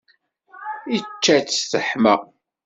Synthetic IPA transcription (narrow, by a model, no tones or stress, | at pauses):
it͡ʃːæt͡sːsθəħmə̰ʁ